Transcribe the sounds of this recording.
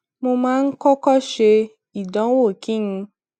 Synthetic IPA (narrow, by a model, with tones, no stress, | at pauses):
mo˧mãː˦n̩˦kɔ˦kɔ˦ʃe˧ | i˨dɔ̃˨˦wo˦˨kĩ˦nũ˧